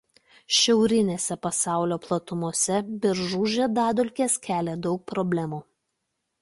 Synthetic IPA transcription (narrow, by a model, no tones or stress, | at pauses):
ʃʲɛʊɾʲɪnʲeːsʲɛpɐsɑˑʊlʲoːplˠɐt̪ʊmuɔsʲɛbʲɪɾʒuːʒʲed̪ɑːd̪ʊlʲkʲeːskʲæːlʲeːd̪ɒʊk̚pɾɔbʲlʲɛmuː